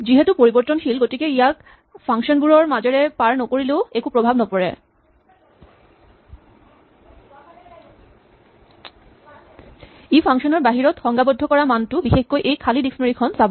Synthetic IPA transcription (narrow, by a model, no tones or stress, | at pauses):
d͡ʑiɦet̪upoɾiboɾt̪ːonʃilɡoʈikeiak | fʰaŋʃɔnbuɾoɾmad͡ʑeɾepaɾnokoɾileoekupɾobʱabnɔpoɾḛ | ifʰaŋʃoneɾbaɦiɾot̪xɔŋɡabod̪ʱːokɔɾamanʈubixekːoʔejkʰalidiksnoɾikʰɔnsab